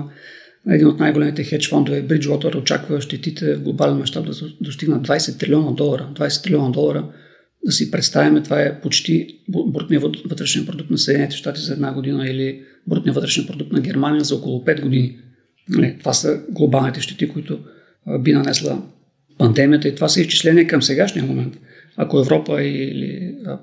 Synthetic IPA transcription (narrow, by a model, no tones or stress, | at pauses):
ɛ̰d̪inot̪najɡolɛmit̪ɛxɛt͡ʃfɔnd̪ovɛbɾit͡ʃwɔt̪oɾot͡ʃa̰kvəʃt̪ɛt̪it̪ʰɛvɡlˠobalɛnmɐʃt̪apb̚d̪ɐd̪ost̪iɡnɐd̪vajsɛt̪ːɾʲilʲiɔnəd̪ɔlˠɐɾəd̪vajsɛt̪ːɾilʲɔnəd̪ɔlˠɐɾə | d̪ɐsipɾɛt̪st̪avimɛt̪ovaɛpot͡ʃt̪ibɾot̪nijəvvɤt̪ɾɛʃnɛnpɾod̪uk̚t̪nɐsɛd̪nɛnit̪ɛ̥ʃt̪at̪izɐɛd̪naɡod̪inəili | bɾut̪niəvət̪ɾɛʃninpɾod̪uk̚t̪nɐɡʲɛɾmanijəzɐokolˠʊpɛd̪ɡod̪ini | nɐlɛt̪ovasəɡlˠobalˠnit̪ɛʃt̪ɛ̥t̪ikoit̪ʊ | binɐnɛslˠə̰ | pɐnd̪ɛmijət̪əit̪ovasɛist͡ʃi̥slɛniɛkəmsɛɡaʃnijəmomɛnt̪ | ɐ̰koɛvɾɔpəilḭ